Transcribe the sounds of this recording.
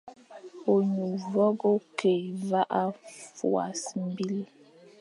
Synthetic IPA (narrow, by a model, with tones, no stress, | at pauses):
o˨ɲu˨vɔ˦ɡo˦ke˨va˦ʔa˦fṵ˨a̰˨sm̩˦bi˦l